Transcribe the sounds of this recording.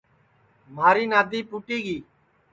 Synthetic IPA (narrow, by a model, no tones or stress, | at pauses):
maːɾiːnaːd̪ʱiːpuːʈiːɡiː